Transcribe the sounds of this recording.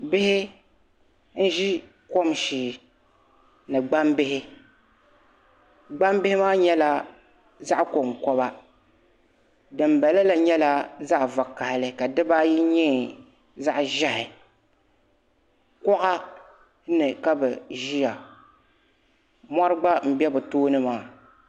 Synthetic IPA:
bɪ˦hɪ˦ | n̩˦ʒi˦ | ko˦mʃiː˨ | nɨ˨ɡ͡ba˦mbɪ˦hɪ˦ | ɡ͡ba˦mbɪ˦hɪ˦maː˦ɲɛ˦la˦ | za˦ʔko˨ŋkɔ˦ba˦ | dɨ˨mbɛ˨la˦la˨ɲɛ˦la˦za˦ʔva˨kːa˨hɪ˨lɨ˨ka˨dɨ˦ba˦ji˦ɲɛː˦˨ | za˦ʔʒɛ˦hɪ˨ | kɔ˦ʔa˦ | nɨ˨ka˦bɛ˨ʒi˦ja˨ | mɔ˦ɾɨ˦ɡ͡ba˦m̩˨bɛ˦bʊ˨toː˦nɨ˦maː˨

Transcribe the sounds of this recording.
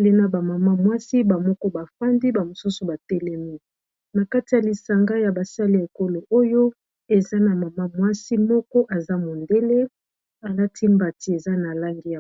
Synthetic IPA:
le˨na˦ba˨ma˨ma˦mwa˦si˦ba˨mɔ˦kɔ˦ba˨fa˦ndi˦ba˨mo˨su˦su˨ba˨tɛ˦lɛ˦mi˦ | na˨ka˦ti˨ja˨li˨sa˨ŋɡa˦ja˨ba˨sa˦li˦a˨e˨ko˦lo˨ʔo˦jo˦ | e˨za˦na˨ma˨ma˦mwa˦si˦mɔ˦kɔ˦ʔa˨za˦mo˨nde˦le˦ | a˨la˦ti˦mba˨ti˨˦e˨za˦na˨la˦ŋɡi˦ja˨

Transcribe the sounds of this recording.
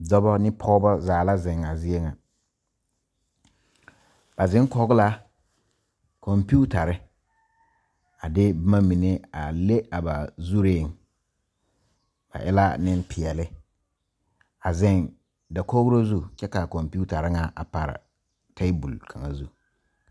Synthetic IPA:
dɔ˦bɔ˦nɪ˦pʰɔ˦bɔ˦zaː˨la˦zɪ˨ŋa˨zi˦e˦ŋa˨ | b̥a˨zɪ̃˦ŋ˦kɔ˦ɡʊ˦la˦ | kʰɔ˨mpi˦u˦ta˨ɾɪ˦ | a˨dɪ˦bma˦mi˨ne˦a˨le˦a˨ba˨zu˦ɾeː˦˨ŋ˨ | b̥a̰˨ʔɛ̰˦la˦nɪ˦npʰɪ˨ɛ˨lɪ˦ | a˨zɪ˦˨ŋ | da˨ko˦ɣʊ˦ɾo˦zu˦t͡ʃɛ˦ka˨kɔ˨mpi˦u˦ta˨ɾɪ˦ŋa˨ʔa̰˨pa˨ɾɪ̰˨ | tʰe˦bṵ˨lkʰa˨ŋa˨zu˦

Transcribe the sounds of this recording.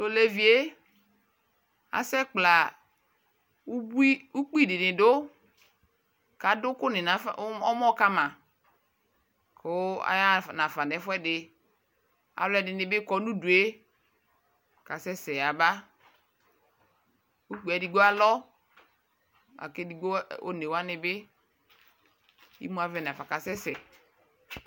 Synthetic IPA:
to˨le˦vi˨e˦ | a̰˨sɛ˦k͡pla˨ | u˦i˦u˦k͡pi˦˨dɪ˨nɪ˨dʊ˦ | ka˨dʊ˦kʊ˦nɪ˨na˨˦fɔ˦mɔ˦ka˦mã˨ | kʰʊ˦a̰˨˦ja˦˨nã˨fa˨ndɛ˨˦fʊ˦ɛ˦dɪ˨ | a̰˨blɛ˦˨dɪ˨nɪ̃˨bɪ˦kɔ˨˦nũ˦du˨e˦ | ka˨sɛ˦sɛ˨a˨ba˦ | u˦k͡pu˨ɛ˨di˨ɡo˦a˨lɔ˦ | a̰˨ke˦di˨ɡo˦o̰˦ne˨wa˦nɪ˨bɪ˦ | ḭ˦mu˦a˨vɛ˨n˨a˨fa˨ka˨sɛ˦sɛ˨

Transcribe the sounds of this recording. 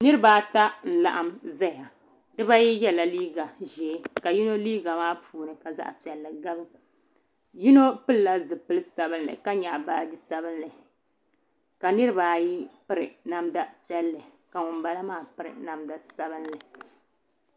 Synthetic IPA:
nɨ˦ɾɨ˦baː˨˦ta˦n̩˨la̰˨ʔa˦mza˦ja˨ | dɨ˦ba˦ji˦jɛ˦la˨liː˦ɡa˨ʒɛː˨˦ka˨ji˦no˦liː˦ɡa˨maː˦puː˨nɨ˨ka˨za̰˦ʔpi˨ɛ˨lːɨ˨ɡa˦bɨ˦ | ji˦no˦pɨ˦lla˦zɨ˨pɨ˦lɨ˦sa˨bɨ˦nlɨ̰˨ka˦ɲa˨ʔbaː˦di˦sa˦bɨ˦nlɨ˨ | ka˨nɨ˦ɾɨ˦baː˨˦ji˦pɨ˦ɾɨ˨na˨mda˦pɛ˦lːɨ˨ | ka˨ŋʊ˨mba˦la˦maː˦˨pɨ˦ɾɨ̰˨na˨mda˨sa˦bɨ˦nlɨ˨

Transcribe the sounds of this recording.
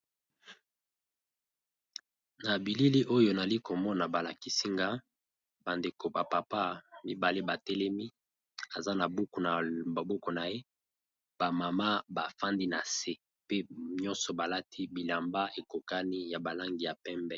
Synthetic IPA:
na˨bi˨li˦li˦ʔo˦jo˨na˨li˦ko˨mɔ˦na˨ba˨la˨ki˦si˦ŋɡa˦ | ba˨nde˨ko˨ba˨pa˨pa˦mi˦ba˨le˦ba˨tɛ˦lɛ˦mi˦ | a˨za˦na˨bu˦ku˨n˨ba˨bɔ˦kɔ˨na˨je˦ | ba˨ma˨ma˦ba˨fa˦ndi˦na̰˨se˦ | pe˦ɲɔ̃˦nsɔ˨ba˨la˦tʰi˦bi˨la˨mba˦ʔe˨ko˨ka˦ni˦ja˨ba˨la˦ŋɡi˨ja˨pɛ˦mbɛ˦

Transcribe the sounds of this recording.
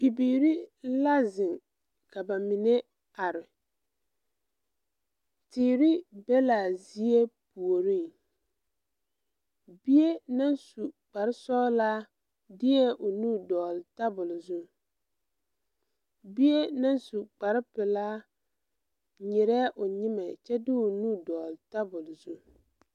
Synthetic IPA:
pi˨biː˨ɾi˦la˦zɪ˨ŋ | ka˨ba˨mɪ˨nɛ˦ | a˨ɾɪ˨ | tiː˨ɾɪ˦bɛ˦la˨zi˦e˦pu˨o˨ɾi˦˨ŋ | bi˦e˦na˦nsu˨k͡pa˨ɾɪ˦sɔː˦laː˦ | dɪ˦ɛ˦ʔʊ˨nu˦dɔː˨lta˦bʊ˨lzu˦ | bi˦e˦na˦nsu˨k͡pa˨ɾɪ˦pɪ˨laː˦ | ɲɪ˨ɾɛː˦ʔʊ˨ɲɪ˦mɛ˨t͡ʃɛ˦dɪ˦ʊ˨nu˦dɔː˨lta˦bʊ˨lzu˦

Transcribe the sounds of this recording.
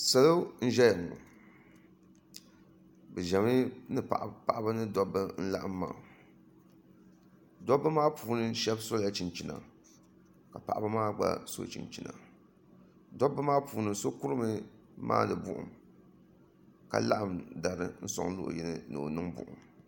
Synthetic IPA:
sa˨lo˦n̩˦ʒɛ˦ja˨n˨nʊ̰˨ | bɨ˨ʒɛ˨mɨ˦nɨ˦pa̰˨ʔpa˨ʔa˦ba˦nɨ˦dɔ˦bɨ˦n̩˦la̰˦ʔɨ˦mːa̰ː˨ | dɔ˦bɨ˦maː˦puː˨nɨ˦ʃɛ˦bso˦la˦t͡ʃi˨nt͡ʃi˨na̰˨ | ka˨pa̰˨ʔa˨ba˦maː˦ɡ͡ba̰˦so̰˦˨t͡ʃḭ˨nt͡ʃi˨na̰˨ | dɔ˦bːɨ˦maː˦puː˨nɨ˨so˦ku˦ɾɨ˦mɨ˦ | ma̰ː˦nɨ˨bʊ̰˦ʔʊ̰˨m | ka̰˦la̰˦ʔɨ˦˨mda˨ɾɨ̰˦n̩˦sɔ̰˨ŋlo̰˦ʔʊ̰˨jɛ˦nɨ˦nɨ̰˨o̰˨nɨ˦ŋbʊ̰˨ʔʊ̰˨m

